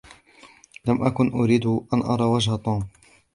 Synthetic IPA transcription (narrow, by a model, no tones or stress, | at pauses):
lamʔakʊnʔʊɾiːd̪ʊʔanʔɑɾˤɑːwad͡ʒhat̪ˤuːm